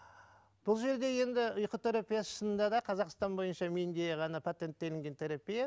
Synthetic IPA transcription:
b̥ʊlˠʒe̞ɾd̪e̞je̞nd̪ɪʊjqət̪ʰeɾapʲijasəʃənənd̪ɑd̪ɑqʰɑzɑqst̪ɑnbo̞jənʃɑmend̪e̞ʁɑnɑpʰat̪e̞nt̪ːe̞lɪŋɡʲe̞nt̪ʰeɾapʲija

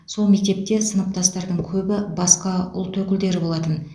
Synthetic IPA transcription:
so̞lˠme̞k̚ʲt̪e̞p̚t̪e̞sənəp̚t̪ʰɑst̪ɑɾd̪əɴkʲʰɵbɪbɑsqɑʊ̰lˠt̪ʰɵkʲɪld̪e̞ɾɪbo̞lˠɑt̪ən

